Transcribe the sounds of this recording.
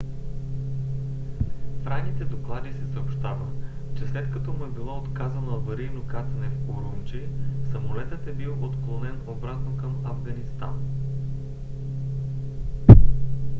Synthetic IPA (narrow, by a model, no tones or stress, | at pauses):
fɾajnit̪ɛd̪oklˠad̪isɛsəopʃt̪avə̰t͡ʃɛslɛt̪kɐt̪ɔmuɛbilˠɔot̪kazɐnɐvɐɾijnokat̪ɐnɛfoɾunt͡ʃisɐmolɛt̪ət̪ɛbilˠot̪klˠonɛnobɾat̪nokəmɐvɡɐnist̪a̰n